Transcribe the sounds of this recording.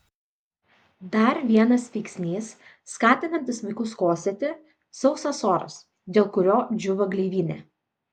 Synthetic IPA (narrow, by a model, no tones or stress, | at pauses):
d̪ɐɾʋʲiɛnɐsʋʲɛɪksʲnʲiːsː | kɑːt̪ʲɪnɐnʲt̪ʲɪsmɐɪkʊskoːsʲɛt̪ʲɪ | sɒʊsɐsoːɾɐ̰s | d̪ʲeːlˠkʊɾʲoːd͡ʒʲʊʋɐɡlʲeːʋʲiːnʲḛ